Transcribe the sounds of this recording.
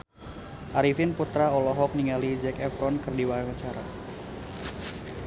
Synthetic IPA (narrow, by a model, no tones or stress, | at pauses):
ʔaɾifɪnput̪ɾaɔlɔɦɔk̚niŋalid͡ʒɛkɛfɾɔnkɨrdiwaaat͡ʃaɾa